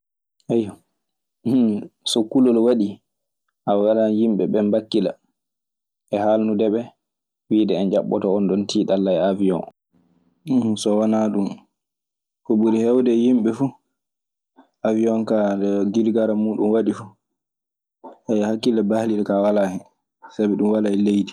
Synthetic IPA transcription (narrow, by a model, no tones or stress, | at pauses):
ʔajɔ | sɔkulɔlwaɗi | ʔawawalajimɓɛɓɛmbakːila̰ | ʔɛhalnudɛɓɛ | wiːdɛːnd͡ʒaɓːɔ̰tɔɔnɗɔntiːɗalːaɛaviɔ̰n | sɔwanaɗum | kɔbuɾihɛwdɛjimɓɛfu | ʔaviɔnkadɛɡiɾɡaɾamuːɗunwaɗifu | ʔɛhakːilabahliɗɛkawalahɛ | sabiɗumwalaɛlejdi